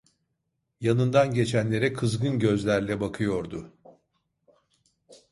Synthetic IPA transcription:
janɯnd̪anɟe̞t͡ʃʰænlʲe̞ɾɛkʰɯzɡɯnɟø̞zlʲæɾlʲɛbakʰɯjo̞ɾd̪ʊ

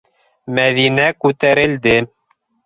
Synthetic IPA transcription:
mæðinækʉt̪æɾɘ̆ld̪ɘ

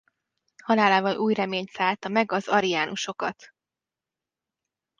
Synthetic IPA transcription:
hɒlaːlaːvɒlʔuːjrɛmeːɲt̪saːlt̪ɒmɛɡɒzɒɾijaːnuʃo̞kɒt̪

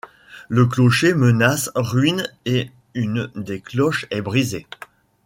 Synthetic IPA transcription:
lək̬lɔʃemənasʁɥine | ynd̪eklɔʃɛbʁize

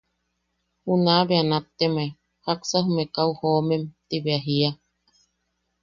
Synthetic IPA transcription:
hunaβeanat̪ːeme | haksaɦumekauhoːmemt̪iβeaɦia

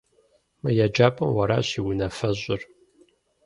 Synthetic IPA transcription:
mɨjad͡ʒaːpʼɐmwɐɾa̰ːɕiːwʊnɐfɐʑʷʼʊr

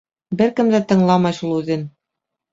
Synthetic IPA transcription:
bɘɾkɘ̆md̪æt̪ɤ̆ɴlˠɑmɑjʃulˠʉðɘn

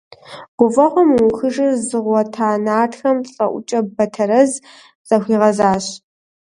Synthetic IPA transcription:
ɡʷʊfʼɐʁʷɔmwʊxɨʒɨrzɨʁʷɔtʰaːnaːtxɐmɬʼɐ̰ʔʷʊ̰t͡ʃʼɐbɐtʰɐɾɐz | z̥ʼɐxʷiːʁɐzaːɕ

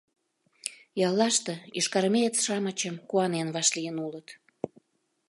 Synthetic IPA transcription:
jɑlːɑʃt̪ɤ̆iʃkɑɾmet͡sʃɑmət͡ɕəmkuɑnenβɑʃlijənulət̪

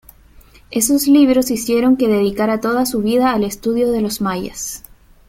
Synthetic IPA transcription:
e̞sosliβ̞ɾo̞sisje̞ɾo̞ŋke̞ðe̞ð̞ikaɾat̪o̞ð̞asuβiðaːle̞st̪uðjo̞ðe̞lo̞zmaja̰s

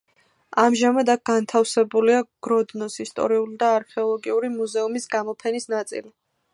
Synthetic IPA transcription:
amʒamad̪ak̚ɡ̥ant̪ʰafsɛbuliaɡ̥ɾɔd̪nɔsist̪ʼɔ̰ɾiulid̪aːɾkʰɛɔlˠɔɡiuɾimuzɛumisɡamɔpʰɛnisnat̪sʼḭli

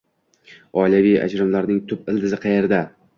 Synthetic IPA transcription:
ɒjlavija̰d͡ʒɾɪmlaɾnɪŋt̪ʰʊpɪlˠd̪ɪzɪqʰɑjeɾd̪a

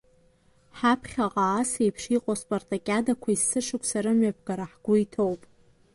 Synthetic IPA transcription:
ħapʰχʲaqʼaːsejpʰʂiqʼospʼortʼakʲʼadakʷʰaisːɨʂʰɨkʷʼʰsaɾamɥap̚ʰɡaɾaħɡ̥ʷʊitʰowpʼ

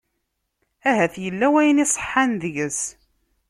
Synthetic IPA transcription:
æɦæθjəlːæwæjnisˤə̥ħːanðəʝəs

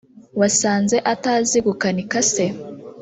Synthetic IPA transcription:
wasaːnze̞ʔataːziɡukanikase

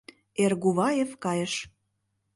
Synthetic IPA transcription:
erɣuβɑjefkɑjə̆ʃ

